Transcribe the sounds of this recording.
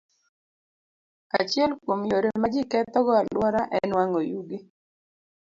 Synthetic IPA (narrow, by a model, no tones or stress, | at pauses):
a̰t͡ʃɪɛlkwomjoɾemad͡ʒɪkɛt̪ɔɡɔalwɔɾaʔɛnwaŋojuɡi